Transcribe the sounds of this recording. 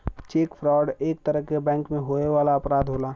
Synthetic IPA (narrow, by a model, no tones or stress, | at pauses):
t͡ʃeːkpʰɾaːɖeːk̚t̪əɾəɦkebɛ̃ːŋkmẽɦoːeʋaːlaɐpɾaːd̪ʱɦoːlaː